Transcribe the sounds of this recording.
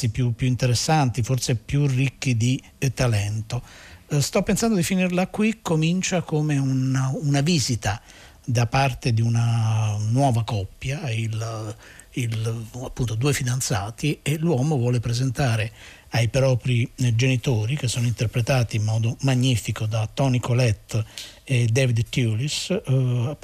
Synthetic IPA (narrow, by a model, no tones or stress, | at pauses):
ipjupːjuint̪eɾesːant̪iforsepjurikːid̪i | t̪alɛnt̪ost̪ɔpːensand̪od̪ifinirlakːwikːomint͡ʃakomeunaunaviːzit̪a | d̪apart̪ed̪iunanwɔːvakɔpːjail | ilapːunt̪od̪uːejfid̪ant̪sa̰ːt̪ielwɔːmovwɔːlepɾezent̪aːɾe | ajpɾɔːpɾid͡ʒenit̪oːɾik̟esːoːnoint̪erpɾet̪aːt̪iːmːɔːd̪omaɲːifikod̪at̪ːɔnikolɛt̪ːed̪ɛvid̪t̪julis